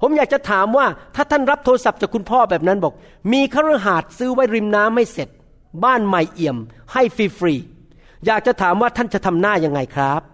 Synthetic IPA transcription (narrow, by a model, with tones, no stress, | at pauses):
pʰo˩˦mjaː˨˩k̚t͡ɕa˨t̪ʰaː˩˦mwaː˥˩t̪ʰaː˥˩t̪ʰa˥˩nɾa˦˥p̚t̪ʰoː˧sa˨˩p̚t͡ɕaː˨˩kʰːu˧npʰɔː˥˩bɛː˨˩p̚na˦˥nbɔː˨˩k̚ | miː˧kʰaː˥˩wɾa˧˥˩ɦaː˨˩t̪̚sɯː˦˥wa˦˥jɾi˧mnaː˦˥mːa˥˩jse˨˩t̪̚ | baː˥˩nma˧˩jʔi˨˩əmha˥˩jfiː˧fɾiː˧ | jaː˨˩k̚t͡ɕa˨˩t̪ʰaː˩˦mwaː˥˩t̪ʰa˥˩nt͡ɕa˨˩t̪ʰa˧mnaː˥˩ja˧ŋːa˧jkʰɾa˦˥p̚